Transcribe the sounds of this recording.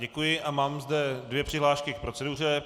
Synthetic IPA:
ɟɛkujɪʔamaːmzdɛdvjɛpr̥ɪɦlaːʃkɪk̚pɾo̞t͡sɛdur̝ɛ

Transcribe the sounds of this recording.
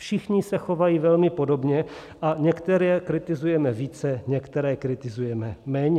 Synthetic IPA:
fʃɪxɲɪsɛxovajiːvɛlmɪpo̞dobɲɛ | ʔaɲɛkt̪ɛɾɛːkɾɪt̪ɪzujɛmɛviːt͡sɛɲɛkt̪ɛɾɛːkɾɪt̪ɪzujɛmɛmɛːɲɛ

